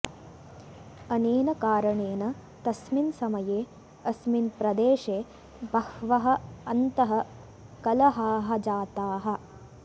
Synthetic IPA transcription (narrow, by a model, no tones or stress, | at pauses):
ɐneːnɐkaːɾɐɳeːnɐt̪ɐsminsɐmɐjeː | ɐsminpɾɐd̪eːʃeː | bɐhʋɐɦɐ̆ɐnt̪ɐɦɐ̆ | kɐlɐɦaːɦɐ̆d͡ʒaːt̪aːɦɐ̆